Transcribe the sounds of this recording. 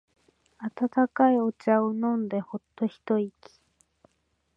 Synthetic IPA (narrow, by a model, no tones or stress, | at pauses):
at̪at̪akajot͡ɕaɯnond̪ehot̪ːoçi̥t̪oiki̥